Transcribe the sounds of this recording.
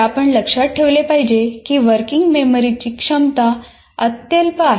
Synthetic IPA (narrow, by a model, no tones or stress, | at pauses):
apəɳləkʂaʈ̚ʈʰeʋlepaɦid͡ʑekiːʋəɾkiŋɡmeməɾit͡ɕiːkʂəmt̪a | ət̪jəlpəa